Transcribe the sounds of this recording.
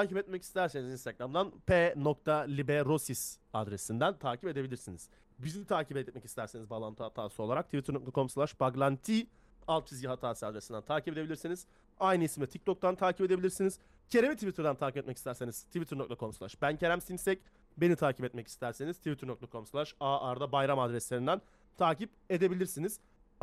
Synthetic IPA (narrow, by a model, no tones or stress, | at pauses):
aːcipɛt̪̚mɛcist̪ʰæɾsenizinst̪ʰaɡɾamd̪anpʰenokt̪ʰalʲibeɾosis | ad̪ɾe̞sind̪ænt̪ʰaːcipe̞d̪e̞bilʲiɾsiniz̥ | bizimt̪ʰaːcʰipɛmɛcist̪æɾsenizbalˠant̪ɯhat̪ʰaːsɯolˠaɾak̚t̪ʰivit̪ʰɯɾnok̚t̪ʰakʰo̞mslʲˠaʃbaɡlˠant̪ʰi | alˠt̪̚pʰizɟiɦat̪ʰaːsɯad̪ɾesind̪ænt̪ʰaːcipe̞d̪eilʲiɾsiniz̥ | ajnɯismd̪ʲɛt̪ʰic̚t̪ʰo̞k̚t̪ant̪ʰaːcipe̞d̪e̞bilʲiɾsiniz̥ | cʰe̞ɾemit̪ʰivit̪ʰɯɾd̪ant̪ʰaːcipɛt̪mɛci̥st̪æɾse̞niz̥t̪ʰivit̪ʰɯɾnok̚t̪ʰakʰo̞mslʲˠaʃbæncʰe̞ɾæmsimsɛc | be̞nit̪ʰaːcipɛt̪mɛci̥st̪ʰæɾse̞nizt̪ʰivit̪ʰɯɾnokt̪ʰakʰo̞mslʲˠæʃaʔaɾd̪abajɾamad̪ɾɛslʲe̞ɾind̪æn | t̪ʰaːcip | e̞d̪e̞bilʲiɾsiniz̥